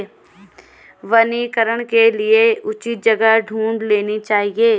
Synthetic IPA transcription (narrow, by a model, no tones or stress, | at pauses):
ʋəniːkəɾəɽ̃kelieʊt͡ʃit̪̚d͡ʒɐɡəɖʱũːɳɖleːnit͡ʃaːɦieː